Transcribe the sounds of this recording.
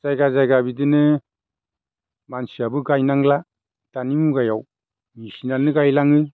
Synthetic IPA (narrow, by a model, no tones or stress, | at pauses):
z̥ajɡazajɡabidɯnɯ | mansiabɯɡajnaŋla | d̥animuɡajaw | misinanɯɡajlaŋɯ